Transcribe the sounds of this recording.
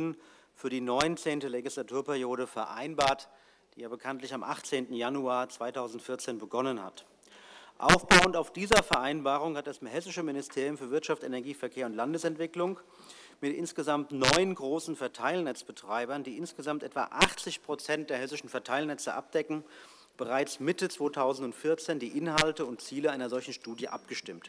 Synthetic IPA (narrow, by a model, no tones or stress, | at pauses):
n | fyːɐdiːnɔʏnt͡seːntəleɡislatʰuːɐpɛʁjoːɾəfɛɐʔa̰ɪnbaːɐt | d̥iːjaːbəkʰantlɪçamʔa̰χt͡seːntn̩januaːɐt͡sv̥aɪtʰaʊzn̩tfɪɐt͡seːnbəɡɔnənha̰t | ʔa̰ʊfb̥aʊəntaʊfd̥iːzɐfɛɐʔaɪnbaːʁ̞ʊŋhat̚d̥ashɛsɪʃəmɪnɪstʰeːʁjʊmfyɐvɪɐtʃaftenɛɐɡiːfɛɐkʰeːɐʊntlandəsɛntv̥ɪklʊŋ | mɪtʔɪ̰nsɡ̥əzamtnɔʏnɡʁoːsn̩fɛɐtʰaɪlnɛt͡sb̥ətʁ̥aɪbɐndiːʔɪnsɡ̥əzamtʔɛtv̥a̰ʔaχt͡sɪçpʁ̥ot͡sɛnt̚d̥eːɐɦɛsɪʃn̩fɛɐtʰaɪlnɛt͡səʔap̚d̥ɛkŋ̩ | b̥əʁaɪt͡smɪtət͡sv̥oːtʰaʊzn̩tʊntfɪɐt͡seːndiːʔɪnɦaltəʊntt͡siːləʔaɪnɐzɔlçn̩ʃtuːdjəʔa̰p̚ɡ̥əʃtɪmt